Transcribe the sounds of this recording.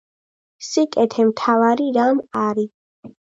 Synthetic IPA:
sikʼɛt̪ʰɛmt̪ʰavaɾiɾamaɾi

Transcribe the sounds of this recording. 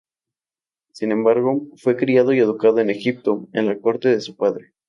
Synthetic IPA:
sinẽ̞mbaɾɣo̞fwe̞kɾiað̞o̞ie̞ð̞ukaðoene̞xip̚t̪o̞ḛnlako̞ɾt̪e̞ðe̞supaðɾe

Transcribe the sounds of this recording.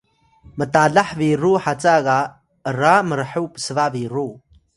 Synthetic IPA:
mɨtʼaːɮaħviːruːħat͡sʼaɣa | ramɨrħɨwpsɨvaviːru

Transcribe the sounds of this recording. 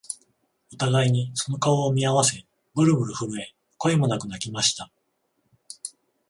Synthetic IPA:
ɯt̪aɡaiɲ̟iso̞no̞kaoːmʲiaβase̞ | bɯ̟ɾɯ̟bɯ̟ɾɯ̟ɸɯɾɯ̟e̞ | ko̞emo̞nakɯ̟nakʲimaɕi̥t̪a

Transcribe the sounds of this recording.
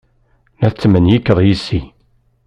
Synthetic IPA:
næθt͡sːmənjikːəðˤjisːi

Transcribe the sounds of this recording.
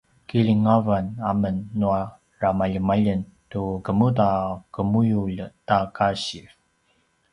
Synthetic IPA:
kiliŋavanamənːua | ramaʎəmaʎəntukəmutakəmujuʎtakaɕiv

